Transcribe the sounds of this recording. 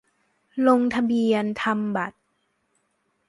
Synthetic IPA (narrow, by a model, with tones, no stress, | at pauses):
lo˧ŋt̪ʰa˧bi˧ənt̪ʰa˧mba˨˩t̪̚